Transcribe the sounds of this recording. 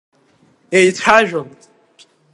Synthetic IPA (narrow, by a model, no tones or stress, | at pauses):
ejtʰaʒᶣʷʊm